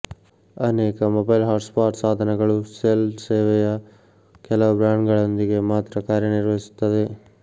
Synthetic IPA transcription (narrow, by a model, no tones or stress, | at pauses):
ɐneːkɐmoːbɐjlɦaːɾʈspaːɾʈsaːd̪ʱɐnɐɡɐɭuseːlseːʋɛjɐ | kɛlɐʋubɾaːɳɖɡɐɭond̪iɡe̞maːt̪ɾɐkaːɾjɐniɾʋɐisi̥t̪ːɐd̪e